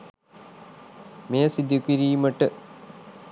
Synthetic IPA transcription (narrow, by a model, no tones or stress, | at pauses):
meːɐsid̪ʱːukiɾiːjumɐʈɨ